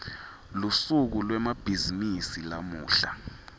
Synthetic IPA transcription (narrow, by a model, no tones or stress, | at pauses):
lusuk̬ulwɛmab̥ʱizinisilamuːɬa